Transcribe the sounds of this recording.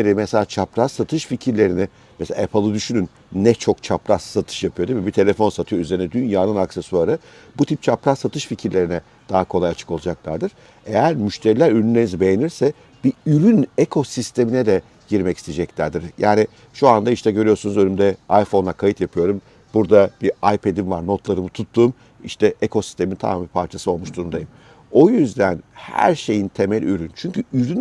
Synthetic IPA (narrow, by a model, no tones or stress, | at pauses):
eɾimɛse̞lʲaːt͡ʃʰapɾasat̪ʰɯʃficʰiɾlʲe̞ɾinɪ | mɛsea̰epʰɯlˠɯd̪yʃynynː | ɛt͡ʃʰo̞kt͡ʃʰapɾassat̪ʰɯ̥ʃjapʰɯjo̞d̪imibit̪ʰe̞lʲefo̞nsat̪ʰɯjo̞yze̞ɾinɛd̪ynjaːnɯnaksesuaɾɯ | but̪ʰip̚t͡ʃʰapɾasat̪ʰɯʃficʰiɾlʲe̞ɾinɛ | d̪̥aɦakʰo̞lˠajat͡ʃʰɯ̥ko̞lˠud͡ʒaklˠa̰ɾd̪ɯɾ̥ | e̞jæɾmyʃt̪ʰeɾilʲæɾyɾynlʲeinizibe̞jeniɾsɛ | biyɾynekʰo̞sist̪ʰe̞minɛd̪ɛ | ɟiɾmɛci̥st̪ʰid͡ʒɛclʲæɾd̪iɾjʔaːni | ʃuand̪aiʃt̪ʰɛɟøɾyjo̞ɾsunuzø̞nymd̪ɛajfo̞nˠakʰajɯt̪japʰɯjo̞ɾum | b̥uɾd̪ab̥iajpʰed̪imvaɾno̞t̪lˠaɾɯmut̪ʰut̪ʰːuːm | ḭʃt̪ʰɛʔekʰo̞si̥st̪ʰe̞mint̪ʰa̰mabipʰaɾt͡ʃʰasɯo̞lˠmuʃt̪ʰuɾund̪ajɯm | o̞jyzd̪ænhæ̰ɾʃe̞jint̪ʰe̞mælʲyɾynt͡ʃʰyɲcyyɾyn